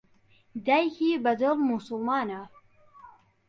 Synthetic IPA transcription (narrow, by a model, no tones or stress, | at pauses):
d̪ajkiːbɐd̪ɨlmusʊlˠmɑːna